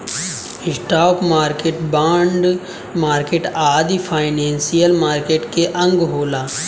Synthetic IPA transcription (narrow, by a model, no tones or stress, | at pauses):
ɪsʈaːpmaːɾkeːʈbaːɳɖ | maːɾkeʈaːd̪ipʰaːɪneːnsijəlmaːɾkeːʈkeʔɐ̃ŋɡɦoːlaː